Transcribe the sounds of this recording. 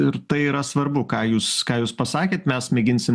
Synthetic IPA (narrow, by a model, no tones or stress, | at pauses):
ɪɾt̪ɐɪiːɾɐsʋɐɾbʊkɑːjuːskɑːjuːspɐsɑːkʲeːt̪mʲɛsmʲɛːɡʲɪnʲsʲɪm